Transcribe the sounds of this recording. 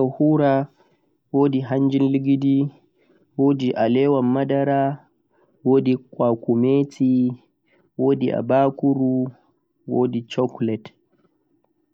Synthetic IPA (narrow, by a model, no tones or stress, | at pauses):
ahuɾa | woːdiɦaɲd͡ʒinliɡidi | woːdiʔalɛwamːadaɾa | woːdikwakumeːtʰi | woːdiʔa̰baːkuɾu | woːdit͡ʃɔklɛt